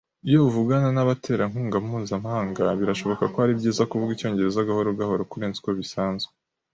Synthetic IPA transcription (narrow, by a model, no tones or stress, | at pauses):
ijouvuɡananaβatʰe̞ɾaŋuːŋɡamuhuːzamahaːŋɡaβiɾaʃo̞βo̞kakoaɾibɟiːzakuvuɡico̞ːɲɟe̞ɾe̞zaɡaho̞ɾoɡahoɾokuɾe̞ːnzi̥koβisaːnzɡwe